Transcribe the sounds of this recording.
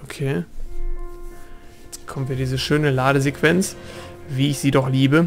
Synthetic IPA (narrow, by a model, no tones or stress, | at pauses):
ʔokʰeː | jjɛt͡skʰɔmtviɐdiːzəʃøːnəlaːɾəzekv̥ɛnt͡sviːɪçz̥iːdɔχliːbə